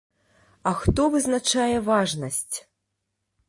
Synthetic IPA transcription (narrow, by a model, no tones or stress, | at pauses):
ɐxt̪ɔvɨznat͡ʂajɛvaʐnɐsʲt͡sʲ